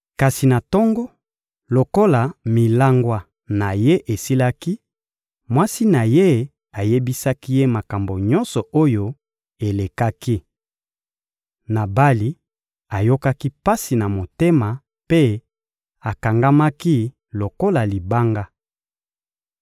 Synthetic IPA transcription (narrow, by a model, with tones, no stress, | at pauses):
ka˨si˨na˨tɔ˦ŋɡɔ˦ | lo˨ko˦la˨mi˨la˦ŋɡwa˦ | na˨je˦ʔe˨si˦la˦ki˦ | mwa˦si˦na˨je˦ | a˨je˦bi˦sa˦ki˦je˦ma˨ka˨mbo˨ɲɔ̃˦nsɔ˨ʔo˦jo˦ | e˨le˨ka˦ki˦ | na˨ba˦li˦ | a˨jo˦ka˦ki˦pa˦si˨na˨mo˨te˦ma˨ | pe˦ | a˨ka˨ŋɡa˦ma˦ki˦ | lo˨ko˦la˨li˨ba˦ŋɡa˦